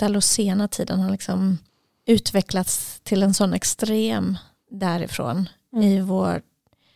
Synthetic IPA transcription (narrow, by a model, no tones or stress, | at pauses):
d̪̥alʊseːnaʈ̪ʰiːd̪ənhalɪksɔm | ʉ̟ːt̪vɛklat̪st̪ʰɪlɛnsɔnːɛkst̪ɾeːm | d̪æɾɪ̰fɾo̰ːn | ɪvoː